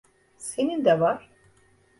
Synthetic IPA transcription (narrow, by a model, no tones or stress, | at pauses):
se̞nind̪ɛvaɾ̥